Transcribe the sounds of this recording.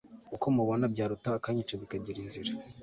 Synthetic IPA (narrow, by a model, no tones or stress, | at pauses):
ukomuβonabɟaːɾutaːkaɲit͡ʃaβikaɟiɾiːnziɾe